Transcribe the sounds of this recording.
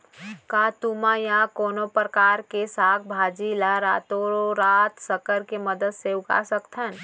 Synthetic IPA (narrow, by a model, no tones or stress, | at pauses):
kat̪umajãkoːnopɾəkaːɾkesaːk̚ʰbʱad͡ʒilaɾaːt̪oɾoɾaːt̪səkəɾkeməd̪əd̪seʊka̰səkt̪ʰən